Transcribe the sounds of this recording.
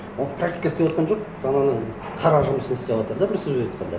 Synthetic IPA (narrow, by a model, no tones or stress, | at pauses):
olˠpʰrakt̪ʲi̥jkast̪ewɑt̪qʰɑnʒo̞q̚ | ɑnɑnə | qʰɑɾɑʒʊməsənɪst̪ebwɑt̪əɾd̪ɑb̪ɪɾsɪzbewot̪qʰɑnd̪ɑ